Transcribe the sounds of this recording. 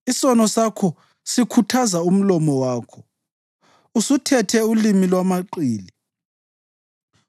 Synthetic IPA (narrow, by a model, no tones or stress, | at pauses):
isɔnɔsakʰɔ | sikʰutʰazaum̩lɔmɔwaːkʰɔ̥ | usutʰɛtʰɛulimilwamaǃiːli